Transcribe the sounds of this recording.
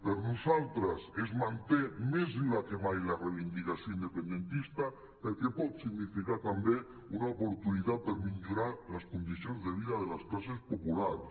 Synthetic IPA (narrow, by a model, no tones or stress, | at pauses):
peɾnosalt̪ɾasezmãnt̪emezlakeβajlareβind̪ikasoind̪epend̪ent̪ist̪a | peɾkepɔt̪siɣnifikaɾt̪ambe | unaopoɾt̪uniðapeɾmiʎoɾaɾlaskond̪iθjõnzðeβ̞iðaðelasklɔsespopulaɾs